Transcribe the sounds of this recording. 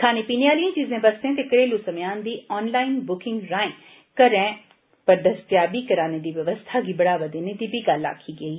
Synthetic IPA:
k̪ʰaːnepiːneaːliẽːt͡ʃiːzẽːbɐst̪ẽːt̪ekəɾeːlusɐmejaːnd̪iːɔːnlaːɪnbʊkɪ̃ŋɡɾãːẽː | kəɾɛ̃ː | pɐɾd̪əst̪jaːbikɐɾaːned̪iːʋjɐʋəst̪ʰaɡibɐɽaːʋəd̪eːned̪iːbiɡaːla̰ːkʰiːɡəiː

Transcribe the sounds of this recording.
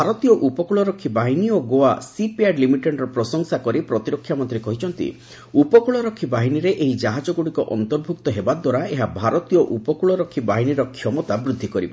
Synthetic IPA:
bʱaɾɔt̪ijɔʔupɔkuɭɔɾɔkʰːibaɦinioɡoasipiaɖlimiʈeɖɾɔpɾɔsɔŋsakɔɾipɾɔt̪iɾɔkʰːjamɔnt̪ɾikɔɦit͡ʃʰɔnt̪ḭ | upɔkuɭɔɾɔkʰːibaɦiniɾeʔeɦid͡ʒaɦad͡ʒɔɡuɽikɔʔɔ̰nt̪ɔɾbʱuk̚t̪ɔɦebad̪waɾaeɦabʱaɾɔt̪ijɔʔupɔkuɭɔɾɔkʰːibaɦiniɾɔkʰjɔmɔt̪abɾud̪ʱːikɔɾiba

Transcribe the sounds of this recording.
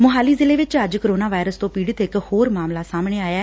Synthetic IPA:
mʊɦaːliːzɪleːʋɪt͡ʃəd͡ʒkəɾoːnaːʋaːɪɾəst̪õːpiːɽɪt̪ɪkhoːɾmaːmlaːsaːmɳeːaːjaː

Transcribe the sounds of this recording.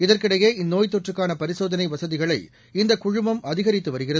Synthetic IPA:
ɪðɐrkɪɽɐjeːɪnːoːjt̪ːɔʈrɯkːaːnɐpɐɾɪsoːðɐnɐɪʋɐsɐðɪɣɐɭɐɪ | ɪnd̪ɐkʊɻʊmbɐmɐðɪɣɐɾɪt̪ːɯʋɐɾɯɣɪrɐð

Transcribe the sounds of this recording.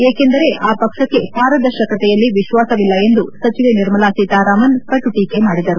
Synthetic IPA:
eːke̞nd̪ɐɾe̞ʔaːpɐkʂɐkːe̞b̥ʱaːɾɐd̪ɐɾʃɐkɐt̪ɛjɐlːiʋiʃʋaːsɐʋilːɐe̞nd̪usɐt͡ʃiʋeniɾmɐlaːsit̪aːɾaːmɐnpɐʈːuʈiːkemaːɽid̪ɐɾu

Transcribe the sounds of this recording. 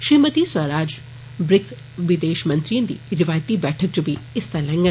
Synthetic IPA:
ʃimət̪iswaːɾaːd͡ʒ | bɾɪks | ʋɪd̪eːʃmɐ̃nt̪ɾijə̃nd̪ḭːɾɪʋaːjt̪ibɛːʈʰək̚d͡ʒobʱiɪst̪alɛ̃ŋɡə

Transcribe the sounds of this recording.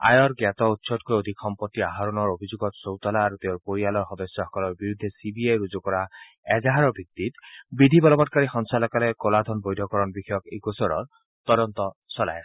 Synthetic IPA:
a̰jɔɾɡat̪ɔut̪ːsɔt̚kojod̪ʱikxɔmpɔt̪ːiaɦaɾɔnɔɾobʱid͡ʒoɡɔt̪sowt̪ɔlaːɾut̪eõɾpoɾialɔɾxɔd̪ɔsjɔɔkɔlɔɾbiɾud̪ʱːesibiajɾud͡ʒokɔɾa | ɛzaɦaɾɔbʱit̪ːit̪bid̪ʱibɔlɔbɔʈkaɾixɔŋsalɔkalekɔlad̪ʱɔnbojd̪ʱɔkɔɾɔnbixɔjɔkekosɔɾɔ̰ɹ | t̪ɔɾɔnt̪ɔsɔla̰j

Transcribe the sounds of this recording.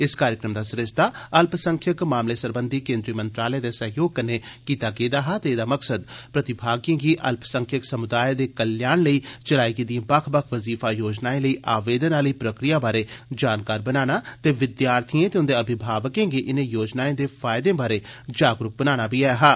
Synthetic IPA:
ɪskaːɾjɪkɾəmd̪aːsəɾɪst̪aːəlpsə̃ŋkʰjəkmaːmleːsəɾbənd̪ʱiːkẽːnd̪ɾiːmənt̪ɾaːləjẽːd̪eːsəɦjoːɡ̚kəneːkiːt̪aːkeːd̪aːɦaːt̪eːd̪aːməksəd̪pɾət̪ɪbʱaːɡjẽːɡiːʔə̰lpsə̃ŋkʰjəksəmʊd̪aːjed̪eːkəljaːnləiːt͡ʃəlaːiɡid̪ijãːbəkʰbəkʰʋəziːfaːjoːd͡ʒnaːẽːləiːʔaːʋeːd̪ənaːləiːpɾəkɾijaːbaːɾeːd͡ʒaːnkaːɾbənaːnaːt̪eːʋɪd̪jaːɾt̪ʰiẽːt̪eʊ̃nd̪eəbʱɪbʱaːʋəkẽːɡiːʔɪnẽːjoːd͡ʒnaːẽːd̪eːpʰaːɪd̪ẽːbaːɾeːd͡ʒaːɡɾʊk̚bənaːnaːbiːajaɦaː

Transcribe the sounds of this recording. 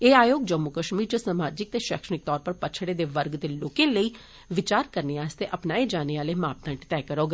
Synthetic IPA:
eːaːjoːɡd͡ʒəmːukəʃmiːɾd͡ʒəsaːmaːd͡ʒɪk̚t̪eːʃɛːkʃənɪk̚t̪ɔːɾpəɾpət͡ʃʰɽeːd̪eːʋəɾɡd̪eːloːkẽːləiː | ʋɪt͡ʃaːɾkəɾneːaːst̪eːʔəpnaːeːd͡ʒaːneːaːleːmaːp̚t̪ə̃ɳʈt̪ɛːkəɾoːɡ

